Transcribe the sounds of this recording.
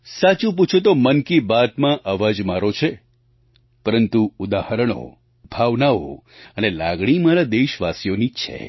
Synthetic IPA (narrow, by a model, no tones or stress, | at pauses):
sat͡ʃũp̬ut͡ʃʰũt̪omənkibat̪mãʔəʋad͡ʒmaɾot͡ʃʰe | pəɾənt̪uud̪ahəɾəɳ̃o̰ | bʱaʋnaʋo̰ənelaɡɽ̃imaɾad̪eʃʋasjonit͡ʃʰḛ